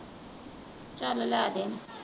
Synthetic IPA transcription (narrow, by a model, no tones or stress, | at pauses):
t͡ʃʼalalad̪en